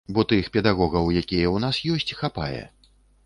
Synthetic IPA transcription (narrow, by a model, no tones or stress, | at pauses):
bɔt̪ɨxpʲɛd̪aɣɔɣɐwjakʲijɛwnasjɔsʲt͡sʲxapa̰jɛ̰